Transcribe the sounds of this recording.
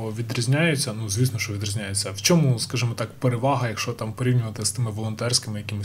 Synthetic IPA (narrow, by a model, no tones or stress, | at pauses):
ɔʋʲid̪ɾʲizʲnʲajʊt͡sʲːɐnuzʲʋʲisnɔʃt͡ʃɔʋʲid̪rʲizʲnʲajet͡sʲːɐwt͡ʃɔmuskaʒɨmɔt̪ɑkpeɾeʋɑɦɐjɐkʃt͡ʃɔt̪ɑmpɔɾʲiwnʲʊʋɐt̪ɪst̪ɪmɪʋɔlˠɔnt̪ɛrsʲkɪmɪjɐkɪmɪs